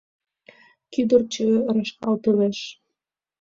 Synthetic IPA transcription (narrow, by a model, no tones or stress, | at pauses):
kyd̪ərt͡ɕøɾɑʃkɑlt̪əleʃ